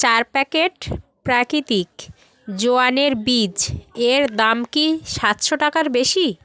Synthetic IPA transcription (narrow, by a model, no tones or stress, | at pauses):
t͡ɕaɾpɛkeʈpɾakɾit̪ik | d͡ʑoaneɾbid͡ʑeɾd̪amkiʃat̪ʃoʈakaɾbeʃi